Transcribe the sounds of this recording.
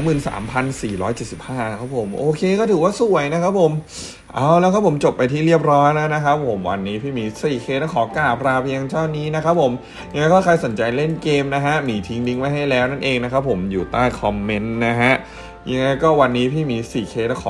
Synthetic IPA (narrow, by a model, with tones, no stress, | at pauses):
mɯː˨˩nsa̰ː˩˦mpʰa˧nsiː˨˩ɾɔː˦˥jt͡ɕe˨˩t̪̚si˨˩p̚haː˥˩na˦˥kʰa˦˥pʰo˨˩˦mʔoː˧kʰeː˧kɔː˥˩ɯː˩˦waː˥˩su˨˩əjna˦˥kʰa˦˥p̚ʰːo˨˩˦m | ʔaː˧˩wlɛː˦˥wkʰa˦˥pʰo˩˦mt͡ɕo˨˩pːa˧jt̪ʰiː˥˩ɾi˥˩əp̚ɾɔː˦˥jna˦˥na˦˥kʰa˦˥p̚ʰːo˩˦mwa̰˧nːiː˦˥pʰiː˥˩miː˧siː˨˩kʰeː˧˥na˥˩kʰɔː˩˦kaː˨˩pʰɾaː˧pʰi˧jŋt͡ɕʰɔː˥˩niː˦˥na˦˥kʰa˦˥p̚ʰo˨˩˦m | ja˧ŋːa˦˥jkɔː˥˩kʰa˧jso˩˦nt͡ɕa˧jle˥˩nkeː˧mna˦˥kʰa˦˥miː˧t̪ʰi˦ŋdi˦˥ŋma˦˥jɦa˥˩jlɛː˦˥wna˥˩nʔeː˧ŋna˦˥kʰa˦˥pʰːo˩˦mjuː˨˩t̪aː˥˩jkʰɔ˧mːe˦˥nːa˦˥ɦa˦˥ʔ | ja˧ŋːa˧˥jkɔː˥˩wa˧nːiː˦˥pʰiː˥˩miː˧siː˨˩kʰeː˧na˥˩kʰɔ̰ː˨˦